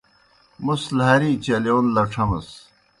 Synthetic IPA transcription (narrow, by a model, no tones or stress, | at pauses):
muslɦɐɾiːt͡ɕɐleunlɐʈ͡ʂʰɐmɐs